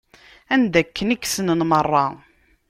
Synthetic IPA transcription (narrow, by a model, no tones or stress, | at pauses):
ænd̪ækːənikːsənənmərˤːɑ